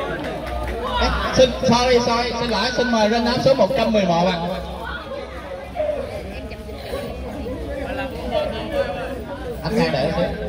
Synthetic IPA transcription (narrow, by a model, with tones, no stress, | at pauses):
ʔsi˧ŋsɔː˧ɾi˧sɔ˧i˧si˧nla̰ː˧˨˥jsï˧ŋməː˨˩jze˧nːaː˧˥˦mso˨˦mo˨˩t̚t͡ɕa˧mːɨ˨˩əjmɔː˨˩ɓaː˧˩ŋ˧ | ʔa˧˩nmaː˧˩ɗə̰ː˧˩si˧˦˥